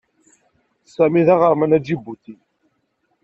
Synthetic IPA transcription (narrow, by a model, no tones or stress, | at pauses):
sæmiðæʁəɾˤmənæd͡ʒibut̪i